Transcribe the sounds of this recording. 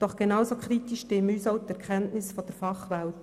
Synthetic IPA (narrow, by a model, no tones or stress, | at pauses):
d̥ɔχɡ̥enɑwsokχɾit̪iʃtɪmyːsɔʊt̪ːɛɾkʰχɛntnɪsfɔd̥əɾfɑχʋɛlt